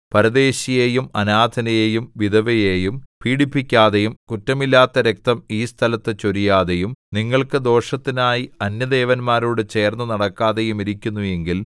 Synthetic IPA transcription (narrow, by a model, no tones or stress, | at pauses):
pɐɾɐd̪e̞ːɕijeːjumɐnaːd̪ʱɐnɐjeːjumʋid̪ʱɐʋɐjeːjumpiːɽipːikʲːaːðejumkutːɐmilːaːt̪ːɐɾe̞k̚t̪ɐmiːst̪ʰɐlɐt̪ːɨt͡ɕoɾijaːðejumniŋːɐɭkɨd̪o̞ːʂɐt̪ːinaːjiɐnjɐd̪e̞ːʋɐnmaːɾuːɽɨt͡ɕe̞ːrnːɨnɐɽɐkːaːðe̞jumiɾikʲːunːuje̞ŋɡil